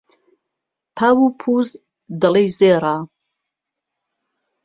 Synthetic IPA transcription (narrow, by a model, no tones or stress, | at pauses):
pʰaːwupʰuːz | d̪ɐlejzeːɾa